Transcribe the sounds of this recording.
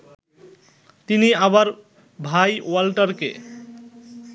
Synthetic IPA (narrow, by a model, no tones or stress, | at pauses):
t̪iniabaɾ | bʱajwalʈaɾkḛ